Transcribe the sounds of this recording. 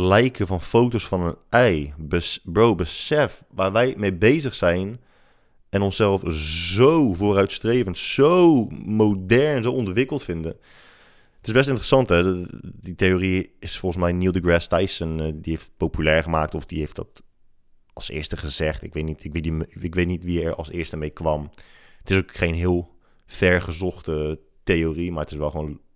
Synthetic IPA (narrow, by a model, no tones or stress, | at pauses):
lɛjkʰəvɑnfowtosfɑnənɛjbəbɹowbəsɛfʋaːɹʋɛjmejbejzəxsɛjn | ɛnɔnsɛlˠfzowvoːrœɥtstreːvə̃ntsowmowdɛɹnnzowɔndʋɪkəlˠtfɪndə | ətɪzbɛstɪntərəsɑntɦɛditejoriɪsfɔlˠχənsmɛjnilˠdəɡɹɛstajsəndiɦejftpowpylɛɹχəmaːk̚tɔfd̥iɦejftdɑ̰t | ɑlˠsɪ̰ːɹstəχəzɛχtɪkʋejtnitɪkʋetiɪkʋejtnitʋiɛɹɑ̰lˠsɪːɹstəmejkʋɑmətɪsokχejnɦɪːəlˠ | fɛɹχəzɔχtə | tejorimaːɹətɪsʋɛlˠχʋoːn